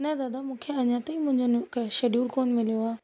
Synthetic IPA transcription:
nɛd̪aːd̪amũːkʰeɐɲãt̪ɐimʊ̃ɦɪ̃ɲd͡ʑonkʃeːɖjuːlkoːnmɪlijoaː

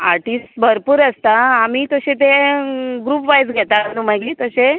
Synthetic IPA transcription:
a̰ɾʈiːsbʱəɾpuːɾəst̪aamiːt̪əɕet̪eɡɾuːpʋajd͡zɡʱɛt̪aənuməɡliːt̪əɕe

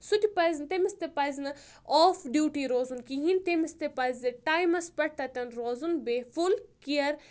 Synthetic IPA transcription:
sut̪ʲipɐjznt̪emist̪epɐjznɐ | ɔːfɖjuːʈiɾoːzunkiɦint̪emist̪epɐzeʈaːjmɐspɐʈ̚ʰt̪ɐt̪ʲɐnɾoːzunbefulkiɐɾ

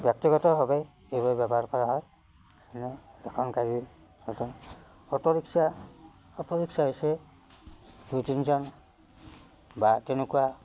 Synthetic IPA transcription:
bjɔk̚tiɡɔtɔɦɔbj | ejbɔbabɔaɹpɔɹaɦɔj | ɛnɛɛkʰɔnkaɹi | ɔtɔn | ɔpɔɹiksa | ɔpɔɹiksaɦojsɛ | dutinzɔn | batɛnukuwa

